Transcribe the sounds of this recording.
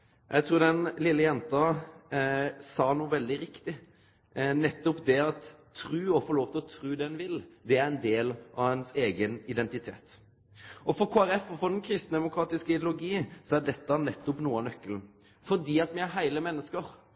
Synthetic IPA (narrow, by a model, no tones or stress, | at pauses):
jʔæɡt̪ʰɾuːɾd̪ɛnlɪlːəjɛnt̪ɑ | sɑːnuːəʋɛld̪ɪɾɪkt̪ɪ | nɛt̪ːʊpd̪ɛɑt̪ʰːɾʉːɔfɔloːʋt̪ʰɪlɔt̪ʰɾʉːd̪ɛnʋɪld̪ɛæɾɛnd̪eːlʔɑʋhɛnseːɡənɪd̪ɛnt̪ɪt̪ʰḛːt̪ | ɔfɔɾkʰoːæɾɛfɔfɔɾd̪ɛnkʰɾɪst̪n̩d̪ɛmʊkʰɾɑːt̪ɪskəɪd̪ɪʊlʊɡiːənsɔæd̪ɛt̪ːɑnɛt̪ːʊpnuːnœkːəl | fɔɾd̪iːɑt̪mɛæɾɦæɪləmɛnːəskəɾ